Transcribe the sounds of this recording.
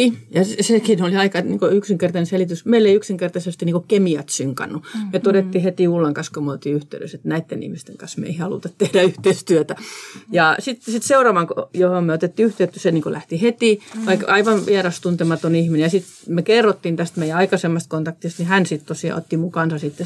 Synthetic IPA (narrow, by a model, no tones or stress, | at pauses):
ijɑssekinoliɑikɑnḭŋkoyksiŋkert̪ɑneselit̪ysmeilːeiyksiŋkert̪ɑsest̪iniŋkokemiæt̪syŋkɑ̰nːumet̪odet̪ːihet̪iulːeŋkɑskomyøot̪iyht̪eydø̰set̪næit̪ːenḭhmist̪eŋkɑnsmḛihɑlṵt̪ɑtt̪ehdæyht̪eist̪yøt̪æjɑˑsit̪sit̪seurɑʋɑŋkojohommyøot̪et̪ːiyht̪eyt̪ːyseniːŋkolæht̪ihet̪iˑʋɑikɑiʋɑnʋiærɑst̪unt̪emɑt̪onihminejɑsit̪ | mekerːot̪ːint̪æst̪meijæɑikɑsemːɑst̪kont̪ɑkt̪ist̪nihænsit̪t̪osiɑ̰o̰t̪ːimuŋkɑˑnsɑsit̪ːe